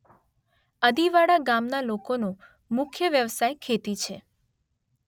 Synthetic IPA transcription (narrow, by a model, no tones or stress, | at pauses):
əd̪iʋaɽaɡamnalokonõ | mʊkʰjəʋjəʋsajkʰet̪it͡ʃʰe